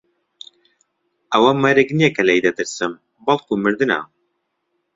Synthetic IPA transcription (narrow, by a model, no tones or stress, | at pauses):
ʔɐwɐmɐɾeknijɛkɐlɛjd̪ɐt̪ɨɾsɨm | bɐlˠkumɨɾd̪ɨna̰